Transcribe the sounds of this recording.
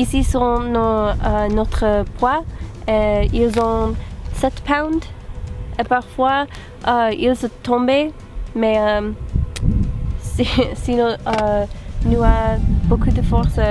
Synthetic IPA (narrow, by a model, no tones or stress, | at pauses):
isisɔ̃nɔ̃ənɔt̪χəpwaeilzɔ̃sɛt̪pãw̃nd̪ | epaʁfwa | ʔəilsɔ̃t̪ɔ̃be | mɛə | sisinɔ̃ənuabokud̪əfɔʁs